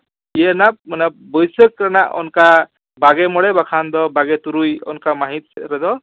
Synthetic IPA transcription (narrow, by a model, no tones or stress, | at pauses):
jenamʌnabɔjsʌkɾanaʔɔ̰nka | baɡemɔɽebakʰand̪ʌbaɡet̪uɾujɔ̰nkamaɦit̪ɾʌd̪ɔ